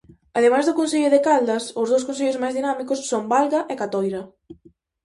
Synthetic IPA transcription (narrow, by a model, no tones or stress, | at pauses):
ɐðemajzðʊkonseʎʊðɪkald̪ɐsʊzðowskons̬eʎʊzmajzðinamikʊsːombalɣɐʔɛkat̪ojɾɐ